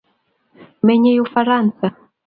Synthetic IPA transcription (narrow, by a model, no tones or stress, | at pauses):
mɛɲɛjufaɾansa